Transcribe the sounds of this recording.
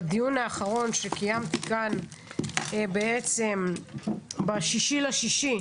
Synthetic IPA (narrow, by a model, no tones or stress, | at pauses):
d̪ijunaːχaʁo̞nʃekajamt̪ikan | beet͡sem | baʃiʃilaʃiʃi